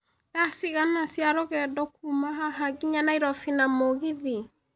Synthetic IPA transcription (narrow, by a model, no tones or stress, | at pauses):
dasiɣanasiaɾɔɣɛdɔkumaɦaɦaɡiɲanaiɾɔfinamoɣiði